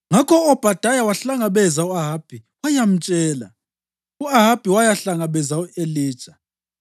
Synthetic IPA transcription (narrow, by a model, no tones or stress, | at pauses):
ŋakʰɔɔb̥ʱad̥ʱajawaɬaŋaβɛzauaɦab̥ʱiwajam̩t͡ʃʼɛːla̰ | uaɦab̥ʱiwajaɬaŋaβɛzaueli̥ːt͡ʃʼḁ